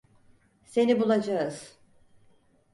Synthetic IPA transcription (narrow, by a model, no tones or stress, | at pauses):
se̞nibulˠad͡ʒaɯz̥